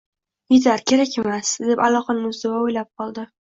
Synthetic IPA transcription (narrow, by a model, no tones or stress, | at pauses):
id̪aɾkʲʰe̞ɾakʲe̞masd̪epalˠɒqanɪŋʊzd̪owaojlap̚qʰɒlˠd̪ɪ